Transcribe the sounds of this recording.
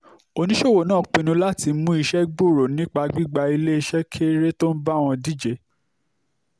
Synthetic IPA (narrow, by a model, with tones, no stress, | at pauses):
o˧nĩ˦ʃo˦˨wo˨nãː˦˨˦k͡pei˧nũ˧la˦˨ti˧˦mũ˦i˧ʃɛ˦ɡ͡bo˦˨ɾo˨nĩ˦k͡pa˧ɡ͡bi˦ɡ͡ba˧i˧le˦i˧ʃɛ˦kʰe˦ɾe˦to˦n̩˦ba˦˨w̃ɔ̃˧di˦˨d͡ʒe˨˦